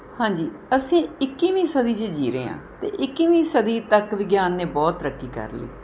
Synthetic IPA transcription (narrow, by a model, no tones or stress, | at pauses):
hãːɲd͡ʒiː | əsĩːɪkːiːʋĩːsəd̪iːt͡ʃed͡ʒiːɾḛːã̰ːt̪ḛːʔɪkːiːʋĩːsəd̪iːt̪əkʋɪɡjaːnːeːbɔːt̪ɾəkʰːiːkə̰ɾlḛː